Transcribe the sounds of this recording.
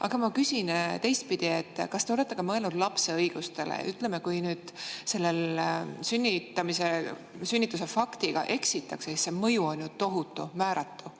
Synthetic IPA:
ʔɑɡ̥ɑmɑkysint̪e̞jst̪̚pid̪̥ie̞t̪ːkɑst̪e̞ole̞t̪ːˑeɡ̥ɑmɤelnud̪lɑpse̞ɤjɡ̥ust̪e̞lḛʔyt̪ˑle̞mekujnyːd̪̥se̞lːe̞lsynʲːit̪ːˑɑmise̞ | synʲːit̪ːˑus̬e̞fɑkt̪iɡ̥ɑ̰ʔe̞ksit̪ːˑɑksesisse̞mɤjuonʲjut̪o̞ɦut̪ˑːumæːɾɑt̪ːu

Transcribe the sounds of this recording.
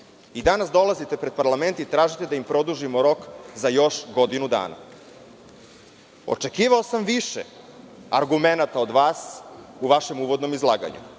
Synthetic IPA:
id̪anasd̪o̞lˠazit̪e̞pɾe̞d̪̚paɾlˠame̞nt̪it̪ɾaːʒit̪e̞d̪aimpɾo̞d̪uʒimoɾo̞kzajo̞ʃɡo̞d̪inud̪a̰ːna̰ | o̞̰t͡ʂe̞kiːʋaosamʋiʃe | aɾɡume̞nat̪ao̞d̪ʋaːsuʋaʃe̞muːʋo̞d̪no̞mizlˠaːɡa̰ɲṵ

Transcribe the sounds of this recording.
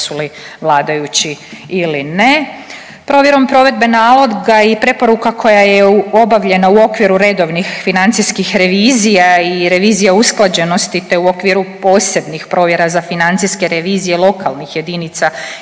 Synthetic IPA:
suli | ʋlˠaːd̪ajut͡ɕiiline̞ | pɾo̞ːʋje̞ɾo̞mpɾo̞ʋe̞d̪̚be̞naːlˠo̞d̪ɡaipɾe̞po̞ɾukakʰo̞jajeo̞baʋʎe̞nauo̞kʋiɾuɾe̞d̪o̞ʋnixfinant̪sijskixɾe̞ʋiːzijaiɾe̞ʋiːzijausklˠad͡ʑe̞no̞st̪it̪e̞uo̞kʋiɾupo̞ːse̞bnixpɾo̞ːʋje̞ɾazafinant̪siske̞ɾeʋiːzije̞lˠo̞kalˠnixje̞d̪init̪sa

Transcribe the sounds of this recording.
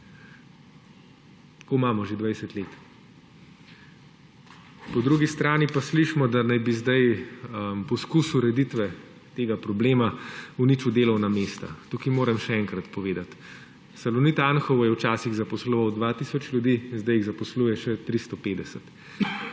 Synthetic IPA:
komaːmɔʒed̪ʋajsət̪leːt̪ | pɔd̪ɾuɡist̪ɾaːnipasliʃmɔd̪anajbizd̪aj | mpɔskusuɾɛd̪it̪ʋɛ | t̪eːɡapɾɔbleːmaunit͡ʃud̪eːlɔwnameːst̪a̰t̪uːkimoːɾɛmʃɛɛŋkɾat̪pɔʋeːd̪at̪ | sɐlɔnit̪aːnxɔwɔjɛwt͡ʃaːsiɣzɐpɔslɔʋawd̪ʋat̪isɔt͡ʃlʲjud̪iːnzd̪ajiɣzɐpɔsluːjɛʃɛt̪ɾist̪ɔpeːd̪ɛsət̪

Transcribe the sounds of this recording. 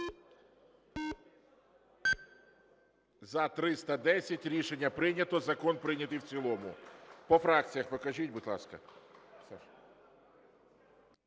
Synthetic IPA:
zɐt̪ɾɪst̪ɐd̪ɛsʲɐtʲɾʲiʃenʲːɐpɾɪnʲɐt̪ɔzɐkɔnpɾɪnʲɐt̪ɨjwt͡sʲilˠɔmʊ̰pɔfɾɑk̚t͡sʲijɐxpɔkɐʒitʲbʊtʲlˠɑ̰skɐ̰sɛ

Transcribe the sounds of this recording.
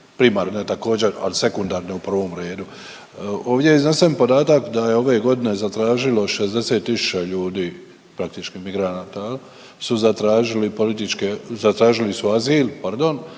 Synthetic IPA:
pɾimaːɾnet̪ako̞ːd͡ʑeɾa̰lise̞kund̪aɾneupr̩ʋo̞mɾe̞ːd̪u | o̞ːʋd̪je̞iznesempo̞d̪aːt̪akd̪aje̞o̞ʋe̞ɡo̞d̪ine̞zat̪ɾaːʒilo̞ʃezd̪e̞se̞ːt̪ːisu̥t͡ʃaʎuːd̪iː | pɾak̚t̪it͡ʃkimiɡɾanaːt̪a | suzat̪ɾaːʒilipo̞lit̪it͡ʃkezat̪ɾaːʒilisuaziːlpaɾd̪o̞n

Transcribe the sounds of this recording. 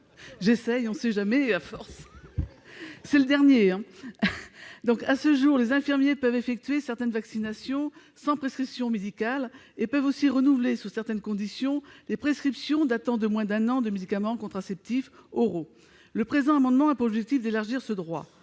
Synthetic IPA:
ʒesɛjɔ̃sɛʒamɛafɔʁs | sɛləd̪ɛʁnjeɛ̃ | d̪ɔ̃kasəʒuʁlezɛ̃fiʁmjepœvefɛk̚t̪ɥesɛʁt̪ɛnvaksinasjɔ̃ | sɑ̃pχeskχipsjɔ̃med̪ikal | epœvosiʁənuvlesyʁsɛʁt̪ɛnkɔ̃d̪isjɔ̃lepχeskχipsjɔ̃d̪at̪ɑ̃d̪əmwɛ̃d̪ɛ̃nɑ̃d̪əmed̪ikamɑ̃kɔ̃t̪χasɛp̚t̪ifoʁo | ləpχezɑ̃amɑ̃d̪mɑ̃apuʁɔbʒɛk̚t̪ifd̪elaʁʒiʁsəd̪ʁwa̰

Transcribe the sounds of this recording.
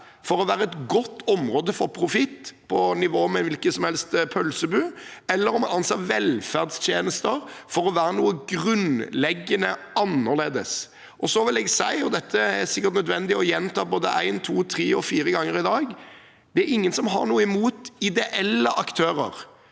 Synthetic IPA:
fɔɾɔʋæːɾəɛt̪ɡɔt̪ːɔmɾoːd̪əfɔɾpʰɾʊfɪt̪ːpʰɔnɪʋoːmɛʋɪlkəsɔmhɛlst̪pʰœlsəbʉːɛlːəɾɔmɑnɑnsɛʋɛlfæʁd̪st̪ʰjeːnəst̪əɾfɔɾɔʋæːɾənuːəɡɾʉnlɛɡːənə | ɑnːəʁleːd̪əs | ʔɔsɔʋɪlɛːɡsæɪɔd̪ɛt̪ʰːəæsɪkːəɾt̪nœd̪ʋɛnd̪ɪɔjɛnt̪ʰɑːboːd̪ə̰ʔæ̰ɪnt̪ʰuːt̪ʰʁiːɔfiːɾəɡɑŋːəɾɪd̪ɑːɡ | d̪̥ɛæɾɪŋːənsɔmɦɑ̰nuːəɪmuːt̪ɪd̪ɛʔɛlːəʔɑkt̪ʰøːɾə̰ɾ

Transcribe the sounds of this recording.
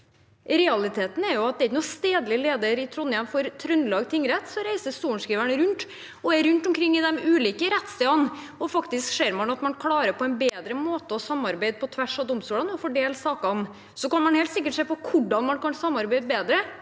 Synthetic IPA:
ɾɛɑlɪt̪ʰeːt̪n̩æɾjʊɑt̪d̪ɛɾɪçənuːst̪eːd̪lɪleːd̪əɾɪt̪ʰɾɔnjɛnfɔɾt̪ʰɾœnːlɑːɡt̪ʰɪŋːɾɛt̪ːsɔɾæɪsəst̪uːəɳʂkɾiːʋæɳəɾʉnt̪ | ɔɛɾʉnt̪ʊmkʰɾɪŋːɪd̪ɛmʉːliːkəɾɛt̪ːst̪iːɑn | ɔfɑkt̪ɪskʂeːɾmɑnɑt̪mɑnkʰlɑːɾəɾpʰɔɛnbeːd̪ɾəmoːt̪əɔsɑmːɑɾbæɪd̪̚pʰɔt̪ʰʋæʂɔd̪ɔmst̪uːlɑnɔfɔɖeːlsɑːkɑn | sɔkɑnmɑnheːlt̪sɪkːəʈʂeːpɔkʰʊɖɑnmɑnkɑnsɑmːɑɾbæɪd̪beːd̪ɾə

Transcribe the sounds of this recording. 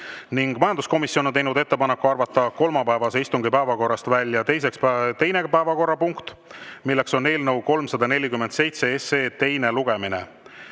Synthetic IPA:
niŋɡ̥mɑjɑnd̪usko̞misjonont̪e̞jnud̪e̞t̪ːe̞pɑnekːˑuɑrvɑt̪ːˑɑko̞lmɑpæevɑse̞ist̪uŋɡipæevɑko̞rːɑst̪vælʲːjɑt̪e̞js̬e̞kspt̪e̞jnepæevɑko̞rːɑpuŋkt̪milːe̞kso̞ne̞ːlnɤwko̞lmsɑd̪ɑne̞lʲikymːend̪se̞jt̪se̞eseːt̪e̞jne̞luɡ̥e̞minḛ

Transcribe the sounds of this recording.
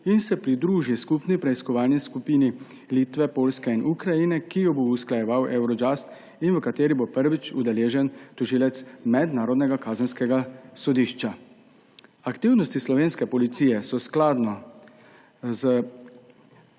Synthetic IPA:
insɛpɾid̪ɾuːʒiskupnipɾɛiskɔʋaːlniskupiːni | liːt̪ʋɛpoːlskɛinʔukɾajinɛkijɔbousklajɛʋawʔɛwɾɔd͡ʒast̪ | inʋəkat̪eːɾibopəɾʋit͡ʃud̪ɛleːʒɛnt̪uʒiːlɛt̪smɛd̪naːɾɔd̪nɛɡakaːzənskɛɡasɔd̪iʃt͡ʃa | akt̪iwnɔst̪islɔʋeːnskɛpɔlit̪siːjɛsɔsklaːd̪nɔ | zə

